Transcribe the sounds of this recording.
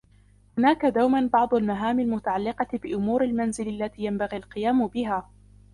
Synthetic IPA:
hʊnaːkad̪awmanbɑʕd̪ˤʊlmaɦaːmalmʊt̪aʕalːɪqɑt̪bɪʔʊmuːɾalmanzɪlalːat̪iːjambaɣiːalqɨjaːmʊbɪɦaː

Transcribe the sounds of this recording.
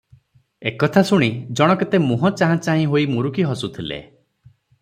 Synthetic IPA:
ekɔt̪ʰasuɽ̃id͡ʒɔɽ̃ɔket̪emuɦɔ̃t͡ʃaɦãt͡ʃaɦĩɦoimuɾukiɦɔsut̪ʰilḛ

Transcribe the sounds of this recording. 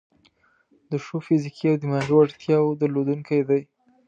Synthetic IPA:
d̪əʃofɪzikʰiawd̪əmaɾowaɽt̪jɑwd̪əlod̪uŋkʰajd̪aj

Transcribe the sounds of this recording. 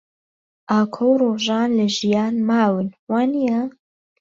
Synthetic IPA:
ʔaːkʰowroːʒaːnlɐʒijaːnmaːwɨnwaːnija

